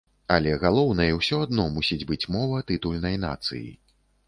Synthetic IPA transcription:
ɐlʲɛɣalˠɔwnɐjɛwsʲɔad̪nɔmusʲid͡zʲbɨt͡sʲmɔvɐt̪ɨt̪ulʲnɐjna̰t̪sɨ̰jḭ

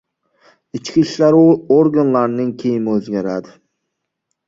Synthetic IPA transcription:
ɪt͡ʃkʲʰiʃlaɾoɾɡanlaɾnɪŋkʲʰejɪmɵzɡʲaɾad̪ɪ

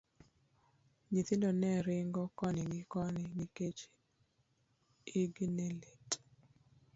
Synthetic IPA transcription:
ɲit̪ɪndɔnɛɾɪŋɡɔkɔnɪŋɡɪkɔnɪniket͡ʃ | iɡneletʼ

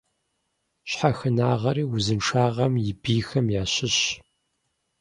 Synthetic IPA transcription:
ɕħaxɨnaːʁɐɾiːwʊzɨnʈ͡ʂʰaːʁɐmjɪbiːxɐmjaːɕɪɕ

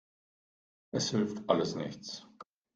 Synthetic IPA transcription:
ʔɛshɪlftaləsnɪ̰çtt͡s

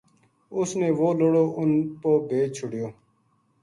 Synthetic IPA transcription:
ʊsneːʋoːloːɽoːʔʊnpoːbʱeːt͡ʃʰʊɽɪjoː

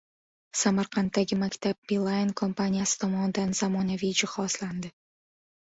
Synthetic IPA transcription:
samaɾqʰɑnt̪ːaɡʲɪmakʲt̪ʰab̚bilˠajnkʰo̞mpanʲijasɪ̥t̪ʰɒmɒnɪd̪anzamɒnavijd͡ʒɪhɒsland̪ɪ

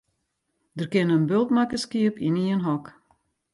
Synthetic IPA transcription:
dərkɪnənbølˠtmakəskiəpiniənɦɔk

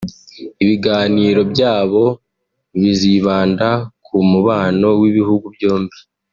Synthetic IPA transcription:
iβiɡaːniːɾo̞bjaːβo̞ | βiziβaːndakʰumuβaːno̞wiβihuɡubjoːmbi

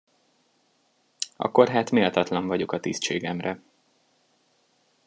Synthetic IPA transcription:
ʔɒ̰kːo̞rɦaːt̪meːlt̪ɒt̪lɒɱvɒɟo̞kɒt̪iːst͡ʃeːɡɛmrɛ

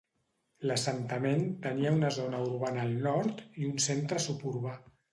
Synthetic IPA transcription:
ləsənt̪əment̪əniəunəzonəuɾβanəːlˠnɔɾt̪iunsent̪ɾəsupuɾβa

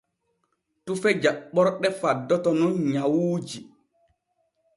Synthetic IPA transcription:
tufɛd͡ʒaɓɔɾɗɛfadːɔtɔnɔɲawuːd͡ʒi

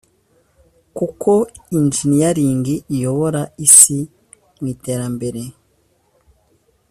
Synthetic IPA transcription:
kukʰo̞ind͡ʒinijaɾiːŋɡiʔːjo̞βo̞ɾaisi | mwiːte̞ːɾambe̞ɾe̞

